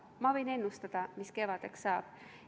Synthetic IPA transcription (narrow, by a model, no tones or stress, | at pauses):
mɑvɤ̞jne̞nːust̪ɑd̪̥ɑmiske̞vɑd̪̥e̞ksːɑːb̥